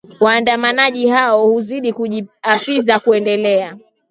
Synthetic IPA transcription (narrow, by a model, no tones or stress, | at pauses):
waːndamanaʄihaɔhuziɗikuʄiafizakuɛndɛlɛa